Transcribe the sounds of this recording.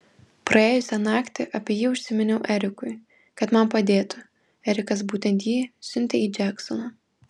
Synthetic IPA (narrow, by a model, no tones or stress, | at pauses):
pɾɐeːjʊsʲɛnɑːkt̪ʲɪʔɐpʲiːjiːʊʃʲsʲɪmʲɛnʲɛʊʔɛɾʲɪkʊɪ | kɐt̪mɐmpɐd̪ʲeːt̪ʊ | ɛɾʲɪkɐs̬buːt̪ʲɛnʲt̪jiːsʲʊnʲt̪ʲɛiːd͡ʒʲæksɔnɐ